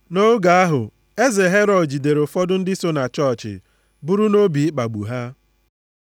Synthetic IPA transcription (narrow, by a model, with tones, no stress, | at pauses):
no˦ɡa˨a˦ɦʊ˨ | e˦ze˨ɦe˦ɾɔ˨dd͡ʒi˨de˨ɾo˨fɔ˦dʊ˦n̩˦dɪ˦so˦na˨t͡ʃɔ˦˨t͡ʃɪ̰˨ | bʊ˦ɾu˦no˦bi˨ɪ˦k͡pa˨ɡ͡bu˨ɦa˦